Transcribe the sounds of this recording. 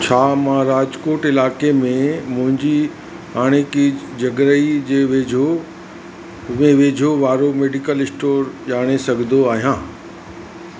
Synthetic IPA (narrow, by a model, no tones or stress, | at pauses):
t͡ɕʰaːmãːɾaːd͡ʑkoːʈɪlaːkemẽmʊ̃ɦɪ̃ɲd͡ʑi | ɦaːɽ̃eki | d͡ʑɐɡɾəid͡ʑeːʋeːd͡ʑʱo | mẽʋeːd͡ʑʱoʋaːɾomeːɖikəlɪsʈoːɾʄaːɽ̃esɐɡʱnd̪oaːɦijãː